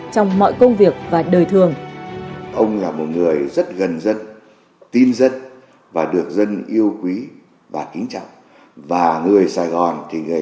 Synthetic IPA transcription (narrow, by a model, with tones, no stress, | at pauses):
t͡ɕɔ˧wŋ͡mmɔ̰˧˨jkə˧wŋ͡mvi˨˩ək̚vaː˨˩ɗəː˨˩jt̪ʰɨ˨˩əŋ | ʔə˧wŋ͡mlaː˨˩mo˨˩t̚ŋɨ˨˩əjzə˦˥t̚ɣə˨˩nzə˧n | t̪i˧nzə˧n | vaː˨˩ɗɨ˨˩ək̚zə˧nʔi˧əwkwi˨˦ | vaː˨˩kï˨˦ŋ̟t͡ɕa̰˧˨wŋ͡m | vaː˨˩ŋɨ˨˩əjsaː˧˩jɣɔ˨˩nt̪ʰi˨˩ŋɨ˨˩ə